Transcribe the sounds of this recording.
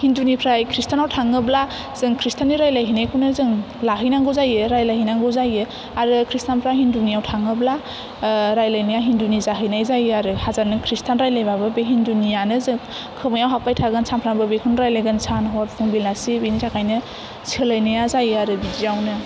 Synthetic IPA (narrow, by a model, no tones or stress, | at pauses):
hindunipʰɾajkʰɾistʰanawtʰaŋɯbla | z̥ɯŋkʰɾistʰaniɾajlajɦɯnajkʰunɯzɯŋ | laɦɯjnaŋɡɯzajɯɾajlajɦijnaŋɡɯzajɯ | aɾɯkʰɾistanpʰɾajɦindunijawtʰaŋɯbla | ɾajlajnɯjaɦindunizaɦɯjnajzajɯaɾɯhazanɯkʰɾistʰanɾajlajbabɯbeɦindunijanɯzɯŋ | kʰɯmajawɦapajtʰaɡɯnsʰanpʰɾaŋbɯbekʰɯnɾajlajɡɯnsʰanɦɔɾpʰuŋbilasibinitʰakʰajnɯ | sʰɯlajnɯjazajɯaɾɯbidiawnɯ